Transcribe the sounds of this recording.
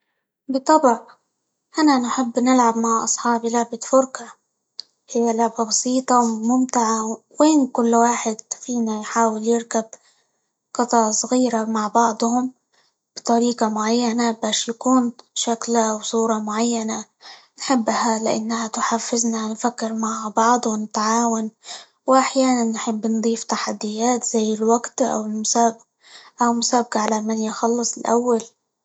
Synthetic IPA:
bɨt̪ˤːɑbʕ | ʔananħɪbːnɪlʕabmaʕʔɑ̰sˤħɑːbilaʕbɪt̪fʊɾka | hɪjːalʕbabɑsˤiːt̪ˤɑwmʊmt̪ɪʕaweːnkʊlːwaːħɪd̪fiːnajħaːwɪljɪɾkab | qɑt̪ˤɑʕsˤɣiːɾamaʕbɑʕd̪ˤhʊm | b̥t̪ˤɑɾiːqɑmʊʕajːanabaːʃjakuːnʃaklawsˤuːɾˤɑmʊʕajːana | nħɪbːhalɪʔa̰nːahat̪ʊħafːɪznanfakːɪɾmaʕbɑʕd̪ˤnɪt̪aʕaːwʊn | wʔaħjaːnanːħɪbːnd̪ˤiːft̪aħad̪ːɪjːaːt̪z̥ajːɪlwaɡt̪ʔa̰wɪlmʊsaːb | ʔawmʊsaːb̚qaʕalamanjxɑlːɨsˤɪlʔa̰wːal

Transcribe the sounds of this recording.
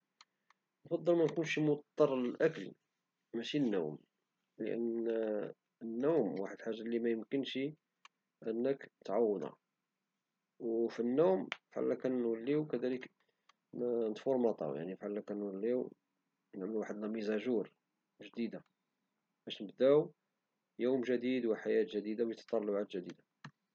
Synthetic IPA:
nfɑd̪ˤːəlmænkunʃimʊt̪t̪ˤːɑɾˤəlʔækəl | mæʃinːṵwm | lə̰ʔə̰n | ənːuwmwaħəd̪lħaʒːalimæjəmkənʃi | ʔənːəkt̪ʕɑwːəd̪ɑ̰ | wfinːumfʕa̰lːækænwəlːiwkæd̪ælək | nət̪foɾmɑt̪ˤɑ̰wja̰ʕnifʕalːækænwəlːiw | nəʕməlwaħəd̪næmizæʒuɾ | ʒd̪id̪a | bæʃnəbd̪æw | juwmʒæd̪id̪wəħajæt̪ʒəd̪id̪awjət̪ːɑ̥t̪ˤɑlːɑʕat̪ʒəd̪id̪a

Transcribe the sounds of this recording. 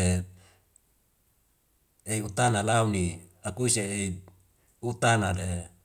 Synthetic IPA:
e | eiut̪analauni | akuiseːi | ut̪anade

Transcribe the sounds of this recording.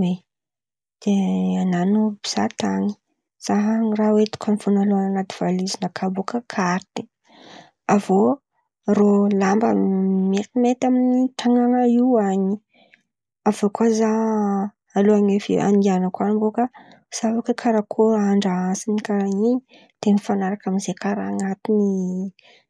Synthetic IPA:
we | d̪̥eananubi̥z̥a̰t̪aɲi̥ | z̥aɦərawet̪u̥kʰanifunaloananat̪i̥v̥alizinəkʰabokəkʰaɾt̪e̥ | avo | rolambamet̪imet̪aminit̪aŋanaiaɲi | avokwaza | aloaɲefḭa̰nianəkwanimbokə | savakəkʰaɾakʰoaɳɖ͡ʐaasinikaɾaɲi | t̪enifanaɾakaminzekaɾaŋat̪ini

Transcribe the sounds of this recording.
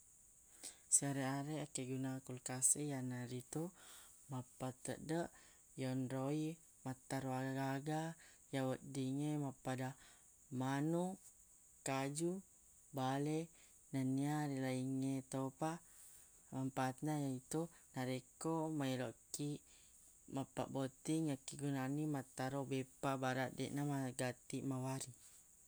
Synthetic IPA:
siaɾeaɾeakeɡunakulkasijanaɾit̪u | mapat̪ə̰ʔdəʔ | jonɾoi | mat̪ːaɾuaɡaɡaɡa | jawəʔ̪̚diŋemapada | manu | kad͡ʒu | bale | naniaɾilaiŋet̪opa | ampat̪̚najait̪u | naɾɛkːomailɔkːi | mapːa̰bot̪iŋakːiɡunanimat̪ːaɾɔbɛpabaɾaʔdɛ̰ʔnamaɡat̪iʔmawaɾi

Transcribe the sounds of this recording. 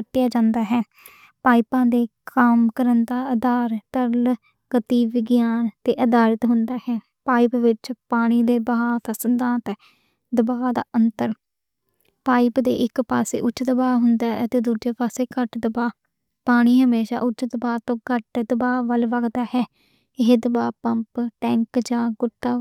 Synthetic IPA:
ət̪ːɪjaːd͡ʒãːnd̪aːɦɛː | paːɪpãːd̪eːkaːmkəɾənd̪aːəd̪aːɾt̪əɾl | ɡət̪iːʋɪɡjaːnt̪eːʔəd̪aːɾət̪ɦʊnd̪aːhɛː | paːɪpʋɪt͡ʃpaːɽ̃iːd̪eːbəaːt̪əsənd̪ãːt̪ɛ | d̪əbaːd̪aːʔənt̪əɾ | paːɪpd̪ḛːʔɪkpaːsḛːʔʊt͡ʃːd̪əbaːɦʊnd̪aːət̪eːd̪uːd͡ʒeːpaːseːkəʈd̪əbaː | paːɽ̃iːɦəmeːʃa̰ːʔʊt͡ʃd̪əbaːt̪õːkəʈd̪əbaːʋəlʋəɡd̪aːɦɛː | ɪɦeːd̪əbaːpəmpʈɛ̃ːŋkd͡ʒãːɡʊt̪ːaː

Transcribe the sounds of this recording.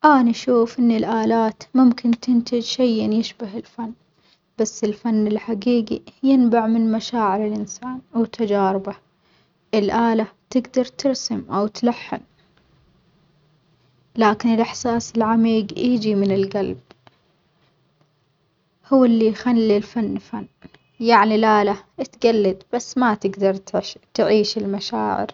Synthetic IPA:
ʔaːniʃuːfʔɪnːilʔaːlaːt̪mʊmkɪnt̪ɪnt̪ɪd͡ʒʃajʔɪnjɪʃbaɦɪlfanː | b̥asːɪlfanːɪlħaɡiːɡḭjɪnbaʕmɪnmaʃaːʕɪɾɪlʔɪnsaːnwt̪ad͡ʒaːɾɪba | ʔɪlʔaːlat̪ɪɡd̪ɑɾˤt̪ɪɾsamʔawt̪laħːɪ̰n | laːkɪnɪlʔɪħsaːsɪlʕamiːɡjiːd͡ʒimɪnɪlɡalb̚ | hʊwːɪlːijxalːilfanːfanː | jaʕnilʔaːlaʔt̪ɡalːad̪b̥asːmat̪ɪɡd̪ɑɾˤt̪ɪʃt̪ʕiːʃɪlmaʃaːʕɪ̰ɾ

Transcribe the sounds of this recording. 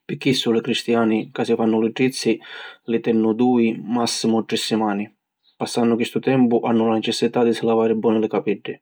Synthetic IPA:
pɪk̟ːisːʊlɪkɾist̪jaːnikasifanːʊlɪɖɾit̪sːilɪt̪ɛnːʊd̪uːimasːimʊʈɾɪsːimaːni | pasːanːʊkwist̪ʊt̪ɛmpʊʔanːʊlanɛt͡ʃɛsːit̪ad̪isɪlavaːɾɪbːɔːnɪlɪkapɛɖːɪ

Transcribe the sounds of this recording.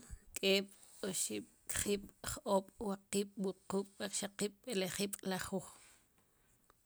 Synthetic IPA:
kʼeːɓ̥ | oʃiɓ̥ | kχiːɓ̥χʔoːɓwaqiːɓ̥wuquːɓ̥aχʃaqiːɓ̥ɓeleχiːɓ̥laχuːχ

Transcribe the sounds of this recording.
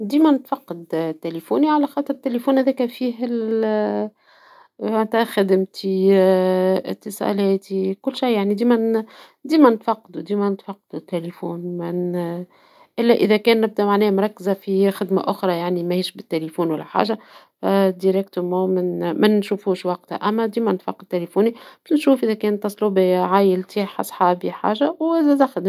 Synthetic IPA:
d̪iːmænɪt̪fɑqːɑd̪t̪ːelefuːniʕalæxɑːt̪ˤɨɾɪt̪ːelefuːnhæðæːkæfiːɦɪl | ant̪æxæd̪ɪmt̪i | ɪ̰t̪ːəsɑ̰lɛːt̪ikʊlːʃajːaʕnid̪iːmæn | d̪iːmænɪt̪fɑqːɑd̪ud̪iːmænɪt̪fɑqːɑd̪ut̪ːelefuːnmɪn | ʔɪlːæʔɪðækɛːnːɪb̚d̪æmaʕnɛːmɾˤɑkːzafixɪd̪ma̰ʔʊxɾˤɑjaʕnimæhiːʃbɪt̪ːelefuːnwælːæħa̰ːʒa | d̪iɾɛkt̪əmɑ̃ːmɪnmænʃufuːʃwɑq̚t̪a̰ʔæmːæd̪iːmænt̪fɑqːɑd̪̚t̪ːelefuːnib̪nʃuːfʔɪðækɛːnt̪ːɑsˤluːbeʕaːjɪlt̪iħʔɑ̰sˤħɑːbiħa̰ːʒawɪzæd̪æxɪd̪

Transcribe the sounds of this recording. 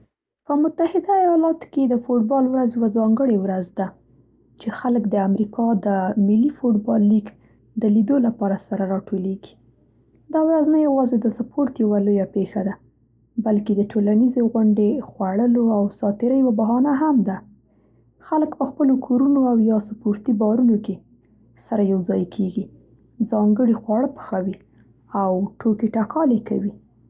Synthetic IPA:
pəmʊt̪ahɪd̪aajɑlɑt̪o̥ked̪əfoʈ̚bɑlwɾazjawazɑŋɡəɽewɾazd̪a | t͡ʃexaləkd̪əamɾikʰɑd̪əmɪlːifoʈbɑlːik | d̪əlid̪olapɑɾasaɾaɾɑʈoleɡi̥ | d̪ɑwɾaznajawɑzed̪əsapʰoɾt̪jawalojapexad̪a | balked̪əʈʰolanizeɣʊɳɖexwaɽəloawsɑt̪ɪɾəjwabaɦɑnaɦamd̪a | xaləkpəxpəlokʰoɾunoawjɑsapoɾt̪ibɑɾunoke | saɾajawd͡zɑjkʰeɡi | d͡zɑŋɡəɽixwɑɽəpə̥xawi | awʈokeʈakʰɑleka̰wi

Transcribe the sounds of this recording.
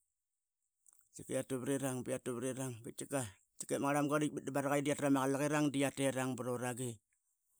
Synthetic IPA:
t͡ʃikeatuβɾiɾaŋbiatuβɾiɾaŋbit̚t͡ʃika | t͡ʃi̥kemŋaɾamɡadik̚bit̚dibaɾaɣajdiatɾamaɣalaɣiɾaŋdiateɾaŋbɾoɾaɡi

